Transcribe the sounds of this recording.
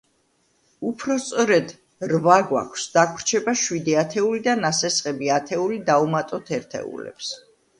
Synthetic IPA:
upʰɾɔst̪sʼɔɾɛd̪ | ɾvaɡwa̰kʷʰsd̪akʰɾt͡ʃʰɛbaʃwid̪iat̪ʰɛulid̪anasɛsqʼɛbiat̪ʰɛulid̪aumat̪ʼɔt̪ʰɛɾt̪ʰɛ̰ṵlɛ̰ps

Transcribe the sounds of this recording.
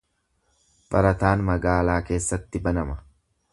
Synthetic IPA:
b̥ɐɾɐt̪aːnmɐɡaːlaːke̞ːsːɐt̪ːɪbɐnɐmɐ

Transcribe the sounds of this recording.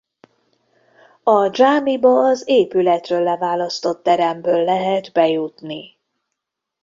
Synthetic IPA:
ɒd͡ʒaːmibɒːzeːpylɛt̪røːlːɛvaːlɒst̪o̞t̪ːɛɾɛmbøːlːɛɦɛd̪bɛjut̪ni

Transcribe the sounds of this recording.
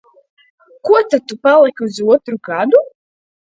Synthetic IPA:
kuɔt̪at̪ːupalˠikuzuɔt̪ɾuɡad̪u

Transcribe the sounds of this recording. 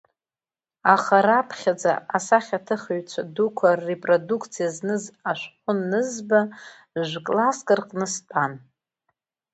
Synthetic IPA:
aχaɾapʰχʲad͡za̰asaχʲatʰɨχoɥt͡ʃʷʰadukʷʰaːepʼrodukʰt͡sʰijaznɨzaʃʷqʷʼʊnːɨzba | ʒʷkʼlaskʼɨrqʼnɨstʼan

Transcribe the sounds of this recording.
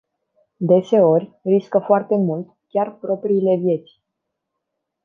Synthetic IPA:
d̪e̞se̞o̞rʲriskəfoart̪e̞mult̪ | kʲarpɾo̞pɾiːle̞vje̞t̪sʲ

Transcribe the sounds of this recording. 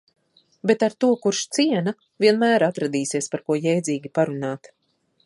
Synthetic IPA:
bet̪aɾt̪uɔkuɾʃt̪siɛna | viɛnmæːɾat̪ɾad̪iːsiɛspaɾkuɔjɛjd̪ziːɡʲipaɾunaːt̪

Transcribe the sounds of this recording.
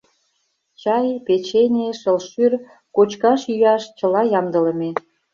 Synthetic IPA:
t͡ɕɑjpet͡ɕenʲeʃəlʃyr | kot͡ɕkɑʃyjɑʃt͡ɕəlɑjɑmd̪ələme

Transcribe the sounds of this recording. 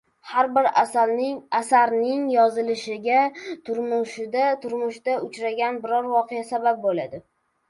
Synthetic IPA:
haɾbɪɾ | asaɾnɪŋjɒzɪlɪʃɪɡʲat̪ʰʊɾmʊʃɪd̪at̪ʰʊɾmʊʃd̪̥aʊt͡ʃɾaɡʲanbɪɾɒɾvɒqejasabap̚bolad̪ɪ

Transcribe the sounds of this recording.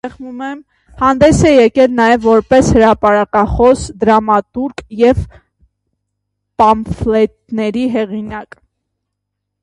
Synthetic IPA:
ɛχmumɛm | hɑnd̪ɛsɛjɛkɛlnɑjɛvːɔɾpɛshəɾɑpɑɾɑkɑχɔsd̪əɾɑmɑt̪uɾkjɛv | pɑmflɛt̪nɛɾiɦɛʁinɑk

